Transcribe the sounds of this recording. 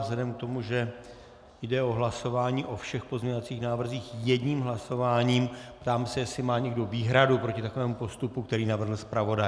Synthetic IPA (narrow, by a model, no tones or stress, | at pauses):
zlɛdɛmk̚t̪o̞muʒɛ | jdɛo̞ɦlaso̞vaːɲiːʔo̞fʃɛxpo̞zɲeɲovat͡siːxnaːvr̩ziːxjɛdɲiːmɦlaso̞vaːɲiːmpt̪aːmɛsɛjɛsɪmaːɲɛɡdo̞viːɦɾadupɾo̞cɪt̪akovɛːmupo̞st̪upukt̪ɛɾiːnavr̩ɦl̩spɾavo̞da